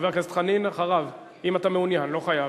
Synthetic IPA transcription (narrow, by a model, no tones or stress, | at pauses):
veʁkest̪χaninaχaʁav | imat̪ameunjanlo̞χaja